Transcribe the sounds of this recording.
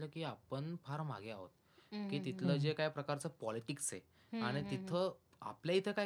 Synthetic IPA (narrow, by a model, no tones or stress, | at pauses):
ləːkiːapəɳfʰaɾma̰ɡeaɦo̰t̪ | kiːt̪it̪ləːd͡ʑekajpɾəkaɾt͡səpɔliʈiksɦḛ | aɽ̃it̪it̪ʰə | a̰pljait̪ʰəka